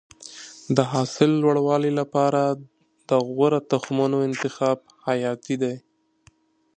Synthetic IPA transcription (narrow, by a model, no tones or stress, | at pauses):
d̪əɦɑsɪlːwaɽwɑlilapɑɾa | d̪̥əɣwaɾat̪axmanoɪnt̪ɪxɑb̚ | hajɑt̪id̪aj